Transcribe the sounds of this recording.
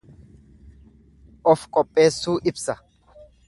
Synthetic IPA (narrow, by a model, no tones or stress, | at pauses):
ʔɔfkʼɔpʼːe̞ːsːuːʔɪbsɐ